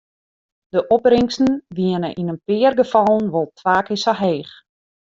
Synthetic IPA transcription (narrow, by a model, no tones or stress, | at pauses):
d̥əʔɔprɪŋsn̩ʋiənə̰ʔinənpɪərɡəfɑlˠən̩ʋolˠtʰʋaːkɪsaɦeːx